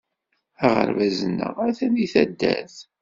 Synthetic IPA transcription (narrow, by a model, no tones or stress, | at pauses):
æʁə̰ɾvæzənːə̰ʁæθæniθæd̪ːæθ